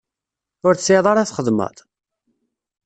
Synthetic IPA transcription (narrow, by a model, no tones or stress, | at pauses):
ʊɾθsɪðˤɑɾaθχəðmə̰ðˤ